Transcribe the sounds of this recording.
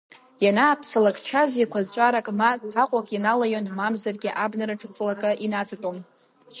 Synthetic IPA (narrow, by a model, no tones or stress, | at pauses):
janaːpʰsalakʼt͡ʃʰazikʷʰazt͡ɕʷʼaɾakʼmatʰaqʷʼakʼjinalajonmamzarɡʲiʔabnaɾaʈ͡ʂʼɨt͡sʼlakʼɨʔinat͡sʰatʼom